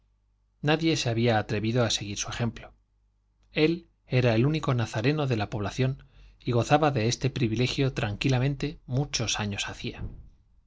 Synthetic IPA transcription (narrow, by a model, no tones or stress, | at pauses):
naðjese̞aβiaːt̪ɾe̞βiðo̞ase̞ɣ̞iɾsue̞xe̞mplo̞ | e̞l | e̞ɾae̞luniko̞naθaɾe̞no̞ðe̞lapo̞β̞laθjo̞niɣ̞o̞θaβaðe̞est̪e̞pɾiβile̞xjo̞t̪ɾaŋkilamẽ̞nt̪e̞mut͡ʃo̞saɲo̞saθia